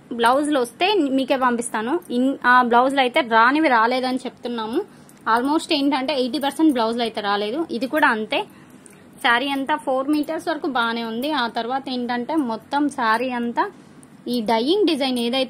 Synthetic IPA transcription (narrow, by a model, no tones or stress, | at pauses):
blɐwzlɐst̪e̞ːmiːke̞ːpɐmpist̪aːnuiaːblɐwslɐjt̪e̞ːɾaːniʋiɾaːle̞ːd̪ɐnit͡ʃepu̥t̪unːaːmu | aːlmo̞ːsʈeːɳʈɐɳʈe̞ːejʈ̬iːpɐɾseɳʈblɐwslɐjt̪e̞ːɾaːle̞ːd̪uʔid̪ikuːɽaːɐnt̪e̞ː | saːɾiɐnt̪aːpʰoːɾmiːʈɐɾsʋɐɾɐkubaːneːund̪iaːt̪ɐɾʋaːt̪ɐe̞ːɳʈɐɳʈe̞ːmɔt̪ːɐmsaːɾiɐnt̪aː | iːɖɐjiŋɡɖid͡ʒɐjne̞ːd̪ɐjt̪ː